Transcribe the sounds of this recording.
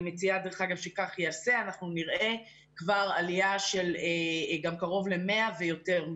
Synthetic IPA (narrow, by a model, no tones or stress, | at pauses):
met͡siad̪eʁeχaɡavʃekaχjeaseanaχnuniʁʔe̞ | kvaʁaliaʃe̞leɡamkaʁo̞vle̞me̞avejo̞te̞ʁ